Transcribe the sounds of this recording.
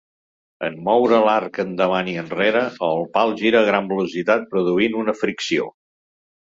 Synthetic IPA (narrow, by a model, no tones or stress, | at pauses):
ənmɔwɾəlaɾkənd̪əβ̞aniənreɾəəlˠpalˠʒiɾəːɣɾambəlusit̪at̪̚pɾuðuinunəfɾiksio̰